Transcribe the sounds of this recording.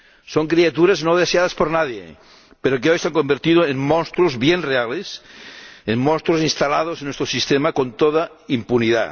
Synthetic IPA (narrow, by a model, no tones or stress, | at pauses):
soŋkɾiat̪uɾaznoð̞eseaðaspoɾnaðjḛ | peɾokeojseaŋkombeɾt̪iðoeŋmõnst̪ɾozβjenreales | emmõnst̪ɾosinst̪alað̞osenːwest̪ɾosist̪emakont̪oða | impuniða̰